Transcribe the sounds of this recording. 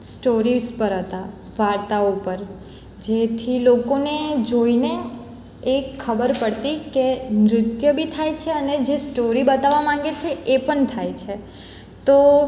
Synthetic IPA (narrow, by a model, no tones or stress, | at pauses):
sʈoɾizpəɾɦət̪a | ʋaɾt̪aopəɾ | d͡ʒet̪ʰilokoned͡ʒoine | ekʰːəbəɾpəɽt̪ikenɾʊt̪jəbʱit̪ʰajt͡ʃʰeəned͡ʒesʈoɾibət̪aʋamãŋɡet͡ʃʰeʔepəɳt̪ʰajt͡ʃʰe | t̪o